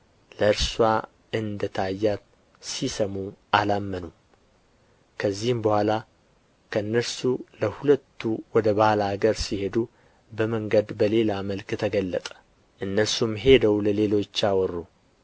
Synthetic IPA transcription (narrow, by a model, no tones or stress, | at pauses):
ləɨɾswa | ɨnd̪ət̪ʰajːa | sisəmuʔalamːənu | kʰəzːihmbəhʷala | kʰəɨnːəɾsuləhulət̪ʰːuwɔd̪əbahlaɡəɾsihe̞d̪u | bəməŋɡəd̪bəle̞laməlkt̪ʰəɡəlːət̪ʼə̥ | ʔɨnːəsumɦe̞d̪əwləle̞lo̞t͡ʃːawɔrːu